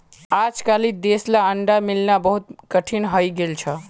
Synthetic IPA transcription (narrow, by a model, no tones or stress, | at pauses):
ad͡ʒkalid̪eslaəɳɖamilnabəɦut̪̚kəʈʰinɦəjɡelt͡ʃʰə